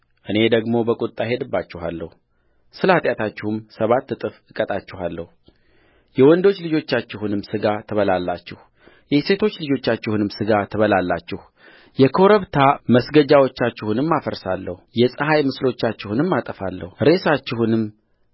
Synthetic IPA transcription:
ʔɨne̞d̪əɡmo̞bəkʼut̪ʼːahe̞d̪ɨbːat͡ʃːɪha̰lːəhu | sɨlat̪ʼjat̪ʰat͡ʃːɪhumsəβat̪ːɨt̪ʼɨfɨkʼət̪ʼat͡ʃːɪhalːəhu | jɛwɔnd̪o̞t͡ʃːlɨd͡ʒo̞t͡ʃːat͡ʃːɪhunɨmsɨɡat̪ʰəβəlalːa̰t͡ʃːɪh | jɛse̞t̪ʰo̞t͡ʃːlɨd͡ʒo̞t͡ʃːat͡ʃːɪhunɨmsɨɡat̪ʰəβəlalːat͡ʃːɪh | jɛkʰo̞ɾəβt̪ʰaməsɡəd͡ʒawo̞t͡ʃːat͡ʃːɪhunɨmːafəɾsa̰lːəhujɛsʼɨɦajmɨslo̞t͡ʃːat͡ʃːɪhunɨmːat̪ʼəfalːə̰huɾe̞sat͡ʃːɪhunɨmː

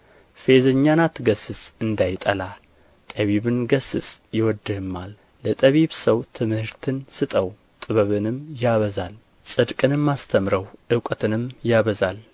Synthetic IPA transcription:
fezəɲːanat̪ɡəsːɨsʼɨnd̪ajɪt̪ʼəla | t̪ʼəβiβɨnɡəsːɨsʼjɪwɔd̪ːɨhɨmːalː | ət̪ʼəβiβsəwt̪ʰɨmhɨɾt̪ʰɨnsɨt̪ʼəw | t̪ʼɨβəβɨnɨmjaβəzal | sʼɨd̪kʼɨnɨmːast̪ʰəmɾəwʔɨkʷʼət̪ʰɨnɨmjaβəzal

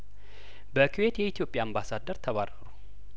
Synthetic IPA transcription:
bəkʰɨβe̞t̪jɛit̪ʰijo̞pʼjaːmbasad̪ːəɾt̪ʰəβarəɾu

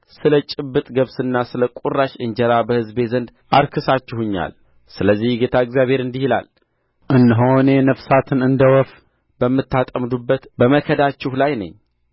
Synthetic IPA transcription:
sɨlət͡ʃʼɪbːɨt̪ʼɡəβsɨnːasɨləkʼurːaʃɨɲd͡ʒəɾabəhɨzbe̞zənd̪ʔaɾkʰɨsat͡ʃːɪhɨɲːa̰l | sɨləzːihɡet̪ʰaɨɡzjaβʱheɾɨnd̪ihila̰l | ʔɨnːɦone̞nəfsat̪ʰɨnɨnd̪əwɔf | b̥əmːɨt̪ːat̪ʼəmd̪ubːət̪bəməkʰəd̪at͡ʃːɪhlajnə̰ɲː

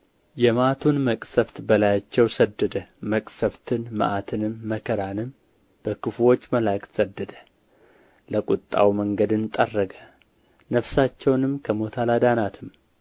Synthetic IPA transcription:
jɛmat̪ʰunməkʼsəft̪bəlajat͡ʃːɛwsəd̪ːəd̪əməkʼsəft̪ʰɨnmə̰ʔat̪ʰɨnɨmːəkʰəɾanɨm | b̥əkʰɨfwo̞t͡ʃːməlakʼt̪səd̪ːəd̪ə | ləkʼut̪ʼːa̰wməŋɡəd̪ɨnt̪ʼərːəɡə | nəfsat͡ʃːɛwnɨmkʰəmo̞t̪ʰalad̪anat̪ʰɨm

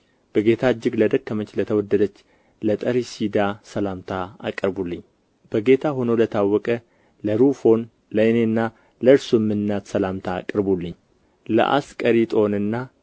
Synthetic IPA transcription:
b̥əɡe̞t̪ʰad͡ʒːɪɡləd̪əkːəmət͡ʃlət̪ʰəwɔd̪ːəd̪ət͡ʃː | lət̪ʼəɾisid̪asəlamt̪ʰaa̰kʼəɾbulːɨɲ | b̥əɡe̞t̪ʰaɦo̞nolət̪ʰawːɔkʼə | ləɾufo̞n | lənenːa | ləɾsumːɨnːat̪səlamt̪ʰaːkʼɾbulːɨɲː | lə̰ʔa̰skʼəɾit̪ʼo̞nɨnːa

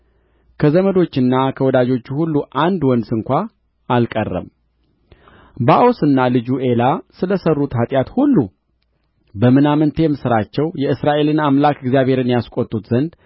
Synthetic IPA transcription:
kʰəzəməd̪o̞t͡ʃːɨnːakʰəwɔd̪ad͡ʒo̞t͡ʃːuhulːuʔand̪wɔnd̪sɨŋkʷaː | lkʼərːə̰m | baʔosɨnːalɨd͡ʒuʔe̞lasɨləsərːut̪ɦat̪ʼjat̪hulːu | bəmɨnamɨnt̪ʰemsɨɾat͡ʃːɛwjɛɨsɾaʔe̞lɨnamlakɨɡzijaβhe̞ɾɨnjaskʷʼot̪ʼːut̪zənd̪

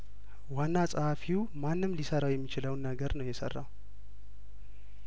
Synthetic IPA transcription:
wanːasʼahafiw | manːɨmlisəɾawjɛmːit͡ʃɪləwnːəɡəɾnəwjɛsə̰rːa̰

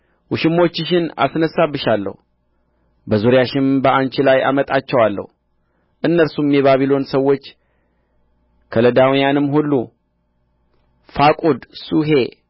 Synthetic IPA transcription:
wuʃɪmːo̞t͡ʃːɪʃ̬ɪna̰snəsaβɨʃalːə̰hu | bəzuɾjaʃɪnbəʔant͡ʃɪlaja̰mət̪ʼat͡ʃːɛwalːə̰hu | ʔɨnːəɾsumjɛβaβilo̞nsəwːo̞t͡ʃː | kʰələd̪awijanɨmhulːu | fakʼud̪suɦe̞

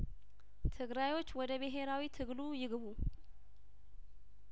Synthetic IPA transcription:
t̪ʰɨɡɾajwo̞t͡ʃːwɔd̪əβɨɦe̞ɾawit̪ʰɨɡlujɪɡɨβu

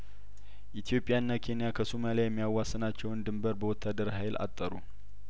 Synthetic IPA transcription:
ʔit̪ʰijo̞pʼːjaɨnːakʰe̞nijakʰəsomalijajɛmːijawːasənat͡ʃːɛwɨnd̪ɨmbəɾbəwɔt̪ʰːad̪ːəɾɦajla̰t̪ʼːəɾṵ

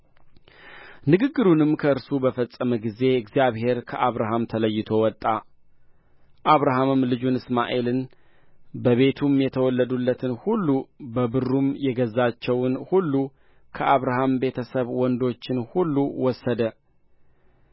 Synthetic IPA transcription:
nɨɡɨɡːɨɾunɨmkʰəɨɾsubəfəsʼəməɡize̞ɨɡzijaβhe̞ɾkʰəʔaβɾaɦamt̪ʰələjːɪt̪ʰo̞wɔt̪ʼːa | ʔaβɾaɦamɨmlɨd͡ʒunɨsma̰ʔe̞lɨn | bəβe̞t̪ʰumjɛt̪ʰəwɔlːəd̪ulːət̪ʰɨnhulːubəbɨrːumjɛɡəzːat͡ʃːɛwnhulːu | kʰəʔaβɾaɦambe̞t̪ʰəsəβwɔnd̪o̞t͡ʃːɪnhulːuwɔsːəd̪ə

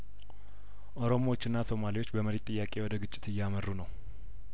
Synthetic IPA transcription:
ʔo̞ɾo̞mowot͡ʃːɪnːaso̞maliwo̞t͡ʃːbəməɾet̪ʼːɨjːakʼe̞wɔd̪əɡɨt͡ʃʼːɪ̥t̪ɨjːamərːunəw

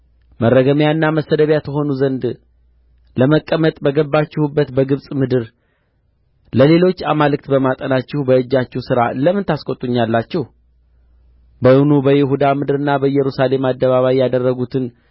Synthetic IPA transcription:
mərːəɡəmjanːaməsːəd̪əβjat̪ʰəɦo̞nuzənd̪ | ləməkʼːəmət̪ʼbəɡəbːat͡ʃːɛhubːət̪bəɡɨβsʼmɨd̪ɨɾ | ləle̞lo̞t͡ʃːamalɨk̚t̪bəmat̪ʼənat͡ʃːɛhbəɨd͡ʒːat͡ʃːɛhsɨɾa̰ləmɨnt̪askʼot̪ʼuɲːalːat͡ʃːɛh | bəɨnubəjɪhud̪amɨd̪ɨɾɨnːabəjɛɾusale̞mad̪ːəβaβajːad̪ərːəɡut̪ʰɨn

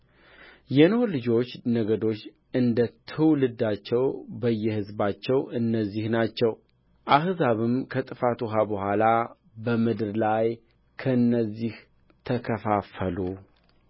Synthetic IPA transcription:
jɛnowlɨd͡ʒo̞t͡ʃːnəɡəd̪o̞t͡ʃː | ɨnd̪ət̪ʰːəwlɨd̪at͡ʃːɛwbəjːɛhɨzbat͡ʃːɛwɨnːəzːihnat͡ʃːɛw | ʔahzaβɨmkʰət̪ʼɨfat̪uɦabəhʷala | bəmɨd̪ɨɾlaj | kʰənːəzːih | t̪ʰəkʰəfafəlu

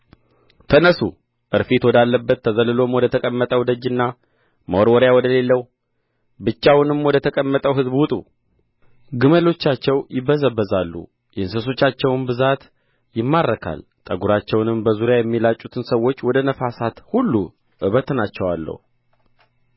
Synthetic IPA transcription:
t̪ʰənəsu | ʔɨɾfit̪wɔd̪alːəbːət̪ʰːəzəlːɨlo̞mwɔd̪ət̪ʰəkʼəmːət̪ʼəwd̪əd͡ʒːɨnːa | məwɔɾwɔɾjawɔd̪əle̞lːəw | bɨt͡ʃːawʊnɨmwɔd̪ət̪ʰəkʼəmːət̪ʼəwɦɨzbwʊt̪ʼṵ | ɡɨməlo̞t͡ʃːat͡ʃːɛwjɪbːəzəbəzalːṵ | jɛɨnsɨso̞t͡ʃːat͡ʃːɛwnbɨzat̪ | jɪmːaɾːəkʰa̰lt̪ʼəɡuɾat͡ʃːɛwnɨmbəzuɾjajɛmːilat͡ʃʼut̪ʰɨnsəwːo̞t͡ʃːwɔd̪ənəfasat̪hulːu | ʔɨβət̪ɨnat͡ʃːɛwalːə̰hu

